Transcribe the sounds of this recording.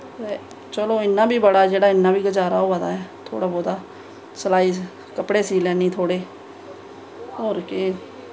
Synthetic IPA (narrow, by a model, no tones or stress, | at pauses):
t̪eː | t͡ʃəloːɪnːãːbʱiːbəɽaːd͡ʒeːɽaːɪnːãːbʱiːɡəd͡ʒaːɾa̰ːɦoːʋəd̪a̰ːɦɛːt̪ʰo̰ːɽaːbɔːd̪aː | səlaːiː | kəpɽeːsiːlɛːniːt̪ʰoːɽeː | oːɾke